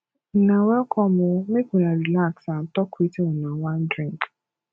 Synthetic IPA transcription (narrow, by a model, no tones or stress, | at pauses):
nãwɛkʰɔmʊ̃mekunãɾilaksan̩tɔkuitimũnãwãn̩dɾĩŋk